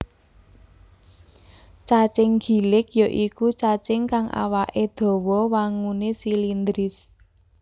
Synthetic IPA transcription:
t͡ʃat͡ʃɪŋɡ̥i̤lɪkjoʔikut͡ʃat͡ʃɪŋkaŋʔa̰waʔed̪̥ɔ̤wɔwaŋunesilind̪ɾɪs

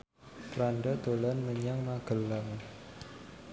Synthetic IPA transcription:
pɾanɖad̪̥o̤lanməɲaŋmaɡ̥əlːaŋ

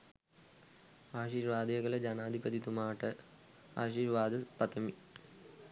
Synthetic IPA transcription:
aːɕiːɾʋaːd̪jɐɡɐlɐd͡ʑɐnaːd̪ʱibɐd̪it̪umaːʈɨ | aːɕiːɾʋaːd̪ɨpɐt̪ʰɐmi

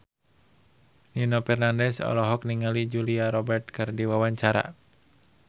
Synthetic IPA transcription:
ninopɛrnandɛsɔ̰lɔɦɔk̚niŋalid͡ʒuliaɾɔbɛrt̪̚kɨrdiwawaɲt͡ʃaɾa̰

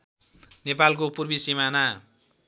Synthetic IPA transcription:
nepalkopurbisimana

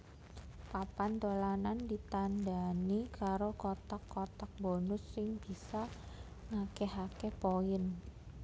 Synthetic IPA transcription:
papant̪olanandit̪andanikaɾokot̪akːot̪ak̚bonʊsːɪŋb̥isa | ŋakeɦakepoɪn

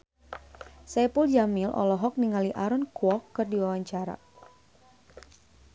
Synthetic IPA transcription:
sɛpuld͡ʒamilʔɔ̰lɔɦɔk̚niŋaliʔaɾɔnkuɔkːɨrdiwawaɲt͡ʃaɾa̰

